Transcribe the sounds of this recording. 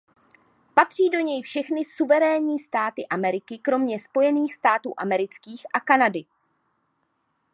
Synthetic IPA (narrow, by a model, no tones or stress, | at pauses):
pat̪r̝̥iːdo̞ɲɛjfʃɛxnɪsuvɛɾɛːɲiːst̪aːt̪ɪʔamɛɾɪkɪkɾo̞mɲɛspo̞jɛniːxst̪aːt̪ṵːʔamɛɾɪt͡skiːxʔakanadɪ